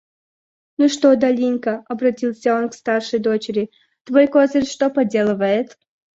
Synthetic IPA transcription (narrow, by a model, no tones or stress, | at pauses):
nuʂt̪od̪ɐlʲinʲkəɐbɾɐtʲilˠsʲəo̞nkst̪arʂɨjd̪o̞t͡ɕɪɾʲɪ | t̪vojkozərʲʂt̪opɐdʲe̞lˠəvəjɪt̪